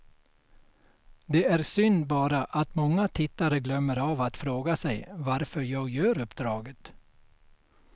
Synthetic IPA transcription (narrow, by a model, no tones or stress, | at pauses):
d̪ɛæɾsʏnd̪bɑːɾaʔat̪mɔŋːat̪ʰɪt̪ːaɾəɡlœmːəɾavat̪fɾoːɡasɛjvaɾfœɾjɑːɡjœːɾɵpd̪ɾɑːɡət̪